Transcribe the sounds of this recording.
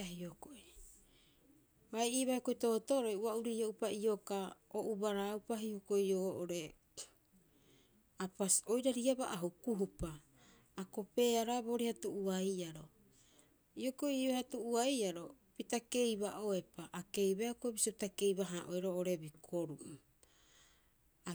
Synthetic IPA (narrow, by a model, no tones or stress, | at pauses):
aɦiokoʔi | bajiβajokoito̞otoɾojuauɾioʔupaiokaoʔubaɾaːwpaɦihoko̞ioːʔoɾe̞ | apaso̞jɾaɾiabaʔaɦukuɦupaː | ko̞pe̞aɾabo̞ɾihatuʔuajaɾo̞ | iokoioehatuʔuajaɾo̞ | pitake̞jbaʔoe̞paʔake̞jbajokoebisiopitake̞jbaɦaʔoeɾoːʔoɾe̞bikʰoɾu | a